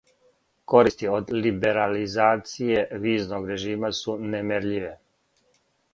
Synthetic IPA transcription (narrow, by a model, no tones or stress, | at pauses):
ko̞ɾist̪iod̪libe̞ɾalizaːt̪sije̞ʋiːznoɡɾe̞ʒiːmasunemeɾʎiʋe